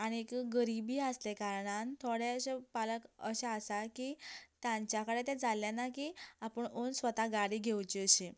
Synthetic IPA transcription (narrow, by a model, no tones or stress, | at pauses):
aɽ̃iekɡəɾibiːaslekaɾɳant̪ʰoɽeəɕepaləkəɕaəsakiːt̪jãɲt͡ɕjakəɽet̪ed͡zaljanakiapəɳonsʋət̪aɡaɽiːɡʱewt͡ɕiəɕe